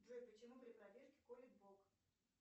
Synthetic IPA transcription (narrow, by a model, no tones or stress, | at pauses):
dʐojʲpət͡ɕɪmupɾʲɪpɾɐvʲerkʲɪ̥kolʲɪɡ̪̚bok